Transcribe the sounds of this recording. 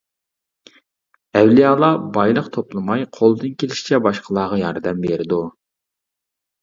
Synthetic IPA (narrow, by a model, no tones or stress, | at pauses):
ɛwlijɑːlˠɑbɑjlˠəqt̪ʰoplˠɨmɑjqʰolˠd̪ɨnkʲʰelɪʃi̥t͡ʃʰɛbɑʃqʰəlˠɑːʁɑjɑɾd̪ɛmbeɾɪd̪u